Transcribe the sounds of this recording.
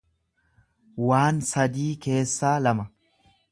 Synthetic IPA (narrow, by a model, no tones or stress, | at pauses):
waːnsɐd̪iːke̞ːsːaːlɐmɐ